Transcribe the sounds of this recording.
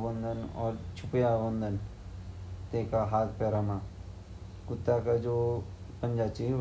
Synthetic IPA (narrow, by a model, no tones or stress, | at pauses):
bə̃nd̪ʱənɔ̰ːɾt͡ʃʰʊpjabə̃nd̪ʱən | t̪eːkaɦaːt̪ʰpɛːɾamã | kʊt̪ːakad͡ʒoː | pə̃nd͡ʒat͡ʃi